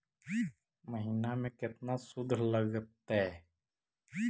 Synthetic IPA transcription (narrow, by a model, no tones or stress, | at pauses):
məɦiːnamẽkɪt̪nasʊd̪ʱləɡət̪ɛ